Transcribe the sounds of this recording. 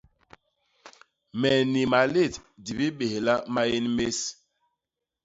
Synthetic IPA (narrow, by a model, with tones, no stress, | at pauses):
mɛ˨ni˨ma˨le˦˨tdi˨bi˦ɓe˨hla˦ma˦je˦nme˦s